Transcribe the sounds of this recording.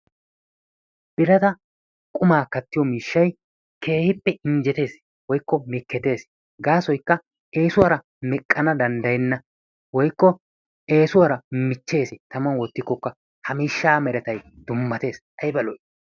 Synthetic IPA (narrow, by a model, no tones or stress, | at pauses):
b̥ɪɾɐt̪ɐ | kʼʊmaːkɐt̪ːɪjɔmiːʃːɐj | kʰe̞ːhɪpːɛʔɪɲd͡ʒɛt̪e̞ːs | wɔjkːɔmɪkːɛt̪e̞ːs | ɡaːsɔjkːɐ | ʔe̞ːsʊwɐɾɐ | mɛkʼːɐnɐd̪ɐnd̪ɐjɛnːɐ | wɔjkːɔ | ʔe̞ːsʊwɐɾɐmɪt͡ʃːe̞ːsɛt̪ɐmɐnwɔt̪ːɪkːɔkːɐ | hɐmiːʃːaːmɛɾɛt̪ɐjd̪̥ʊmːɐt̪e̞ːs | ɐjɪbɐlɔj